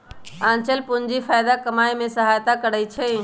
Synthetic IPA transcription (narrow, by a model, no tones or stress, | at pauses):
ãːnt͡ʃəlpʊɲd͡ʒifʰaːjd̪akəmaːimẽsəɦaːjt̪akəɾəit͡ʃʰe